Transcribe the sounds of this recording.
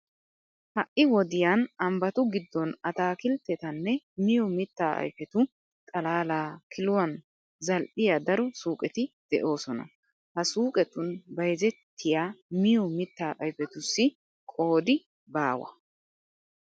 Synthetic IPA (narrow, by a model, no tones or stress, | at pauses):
hɐʔɪwɔd̪ɪjanɐmbɐt̪ʊɡɪd̪ːɔnɐt̪aːkɪlt̪ːɛt̪ɐnːɛmɪjɔmɪt̪ːaːʔɐ̰jfɛt̪ʊ | t̪ʼɐlaːlaːkʰɪlʊwɐn | zɐlʔɪjad̪ɐɾɔsuːkʼɛt̪ɪd̪̥ɛʔo̞ːsɔnɐ̰ | hɐsuːkʼɛt̪ʊnbɐjzɛt̪ʰːɪjaːmɪjɔmɪt̪ːaːʔɐjfɛt̪ʊsːɪ | kʼo̞ːd̪ɪ | baːwɐ̰